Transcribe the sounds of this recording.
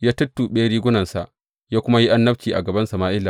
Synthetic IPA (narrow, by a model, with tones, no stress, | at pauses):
jaː˦tʊ˦tːuː˨ɓeː˦ɽiː˦ɡʷʊ˦nɐ˨nsa˨ʔ | jaː˦kʷʊ˦ma˦ji˦ʔa˦nːɐ˦ɸ̚t͡ʃiː˨ʔa̰˨ɡɐ˨bɐ˦nsɐ˨maː˦ʔɪ˦lːa˨